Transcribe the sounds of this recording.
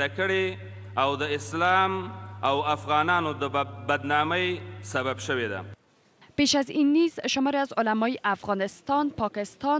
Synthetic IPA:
akəɽe | awd̪əɪslɑmawafɣɑnɑnod̪əbad̪nɑməjsababʃəwed̪a̰ | peʃazinːizʃʊmɔɾeazʊlamɔjiʔafɣɑnɪst̪ɑnpɑkɪst̪ɑ

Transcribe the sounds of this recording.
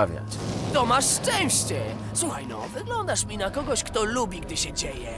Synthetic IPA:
vʲja̰t͡ɕt̪ɔmaʂːt͡ʂɛ̃w̃ɕt͡ɕɛ | swuxajnɔ̰vɘɡlɔnd̪aʂmʲinakɔɡɔɕkt̪ɔlubʲiɡd̪ɘɕɛd͡ʑejɛ

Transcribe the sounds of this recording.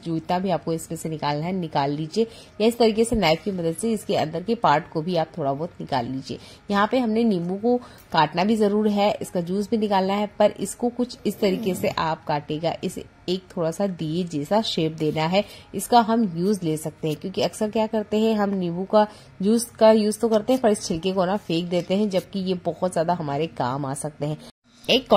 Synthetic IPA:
d͡ʒuːt̪abʱiaːp̚koɪsmẽsenɪkaːlnaɦɛnɪkaːlːiːd͡ʒie | jaɪst̪ɐɾiːkesenaːɪfkimɐd̪əd̪seɪskeɐ̰̃nd̪əɾkepaːɾʈkobʱiaːp̚t̪ʰoːɽabɔɦt̪nɪka̰ːlːiːd͡ʒiḛː | jɐɦãpeɦɐmneniːmũko | kaːʈnabʱizɐɾuːɾɦɛʔɪskajuːzbʱinɪkaːlnaɦɛpɐɾʔɪ̰skokʊt͡ʃʰɪst̪ɐɾiːkeseʔaːp̚kaːʈeːɡa̰ʔɪs | eːk̚t̪ʰoːɽasad̪ied͡ʒɛːsaʃeːp̚d̪eːnaɦɛɪskaɦɐmjuːzleːsɐk̚t̪eɦɛ̃kjõːkiɐksəɾkjaːkɐɾt̪eɦɛ̃ɦɐmniːbũka | juːzkajuːzt̪okɐɾt̪ẽɦɛ̃pɐɾɪst͡ʃʰɪlkekoːnafeːk̚d̪eːt̪eɦɛ̃d͡ʒɐb̚kijebɐɦɔt̪zjaːd̪aɦɐmaːɾeka̰ːma̰ːsɐk̚t̪eɦɛ̃ː | eːkː

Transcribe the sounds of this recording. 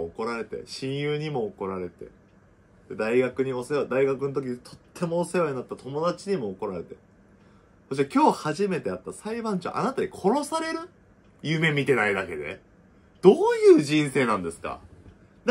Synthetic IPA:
oko̞ɾaɾe̞t̪e̞̰ɕĩɰ̃jɯːɲ̟imo̞ːko̞ɾaɾe̞t̪e̞̰ | d̪ed̪aiɡakɯ̟ɲ̟io̞sejod̪aiɡakɯ̟not̪o̞k̬ʲiɲit̪ʰo̞̥t̪ʰːe̞mo̞ːsejoɲinat̪ːat̪ʰo̞mo̞d̪at͡ɕiɲ̟imo̞ːko̞ɾaɾe̞t̪e̞ | soɕ̬it̪ekʲo̞ːhaʑime̞t̪e̞at̪ːasaibãɲt͡ɕõ̰ʔa̰nat̪aɲ̟ikʰo̞ɾo̞saɾe̞ɾɯ̟ | jɯːme̞mʲit̪e̞naid̪ake̞d̪e̞̰ | d̪̥oːjɯ̟ːd͡ʑĩɰ̃se̞ːnãnd̪e̞sɨ̥ka̰ | d̪

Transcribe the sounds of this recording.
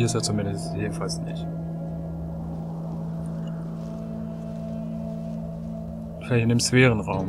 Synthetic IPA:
ɪsteːt͡sumɪndəsteːbn̩falsnɪçt | vaʃaɪnlçɪndeːmʃv̥ɛːʁ̞ənʁaʊm

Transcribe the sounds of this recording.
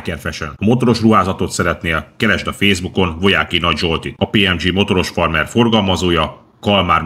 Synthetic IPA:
kɛrfɛʃɛ̰nmo̞t̪o̞ɾo̞ʃruɦaːzɒt̪o̞t̪sɛɾɛt̪neːlkɛɾɛʒd̪ɒfeːzbuko̞nvo̞jaːkinɒɟʒo̞lt̪it̪ɒpeːɛmd͡ʒiːmo̞t̪o̞ɾo̞ʃfɒrmɛrfo̞rɡɒlmɒzoːjɒ | kɒlmaːr

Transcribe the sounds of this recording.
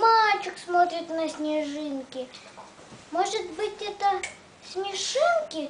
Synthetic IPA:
mat͡ɕʊksmot̪ɾʲɪt̪nəsʲnʲɪʐɨnkʲɪ | moʐɨt̪bɨtʲɛt̪ə | sʲmʲɪʂɨnkʲɪ

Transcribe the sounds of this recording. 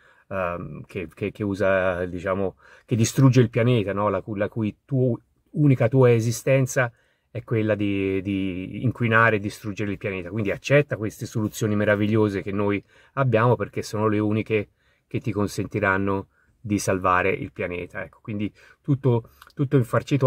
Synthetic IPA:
kʰekekːeuːzad̪it͡ʃaːmo | ked̪ːist̪ɾud͡ʒːeilpjanɛːt̪anɔlakulakujt̪u | uːnikat̪uːaezist̪ɛnt̪sa | ɛkwelːad̪id̪ḭːŋkwinaːɾeːd̪ːist̪ɾud͡ʒeɾeilpjanɛːt̪akwind̪iat͡ʃːɛt̪ːakwest̪esolut̪sːjoːnimeɾaviʎːoːzek̟enːoj | abːjaːmoperk̟esːoːnoleuːnike | k̟et̪ːikonsent̪iɾanːo | d̪isalvaːɾeʔḭlpjanɛ̰ːt̪aɛkːo̥kwind̪i | t̪ut̪ːot̪ut̪ːoiɱfart͡ʃit̪

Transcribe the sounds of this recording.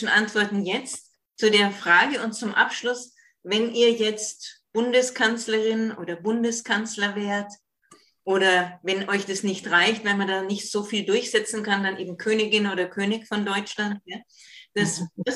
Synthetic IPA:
n̩ʔantv̥ɔɐtn̩jɛt͡st | t͡sudeːɐfʁ̥aːɡəʊntt͡sʊmʔa̰pʃlʊs | vɛnʔiːɐjɛt͡stb̥ʊndəskʰant͡sləʁɪnʔo̰ːdɐbʊndəskʰant͡slɐveːɐt | ʔoːɾɐvɛnʔɔʏçd̥asnɪçtʁaɪçtv̥almandaːnɪçtz̥oːfiːldʊɐçz̥ɛt͡sn̩kʰandanʔeːbm̩kʰøːnɪɡɪnoːdɐkʰøːnɪçfɔndɔʏt͡ʃlant̚jaːd̥asda

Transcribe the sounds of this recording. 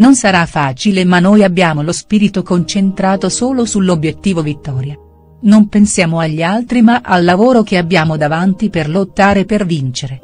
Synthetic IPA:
nonsaɾafːaːt͡ʃilemanːojabːjaːmolospiːɾit̪okont͡ʃent̪ɾaːt̪osoːlosulːobːjet̪ːiːvovit̪ːɔːɾja | nompensjaːmoaʎːialt̪ɾimaʔalːavoːɾokeabːjaːmod̪avant̪iperlot̪ːaːɾepervint͡ʃeɾe

